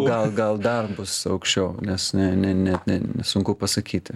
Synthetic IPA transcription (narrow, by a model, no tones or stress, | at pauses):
ɡɐlˠɡɐlˠd̪ɐrbʊsɐʊkʃʲt͡ʃʲɛʊnʲɛsnʲɛnʲɛnʲɛt̪nʲɛnʲɛsʊŋkʊpɐsɐkʲiːt̪ʲɪ